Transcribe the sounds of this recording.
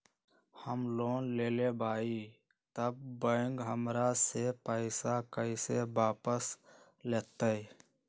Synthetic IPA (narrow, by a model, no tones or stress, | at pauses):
həmloːnleːlebʱaːi | t̪əb̚ːəŋɡɦəmɾasepəɪsakəɪsebaːpəs | leːt̪əi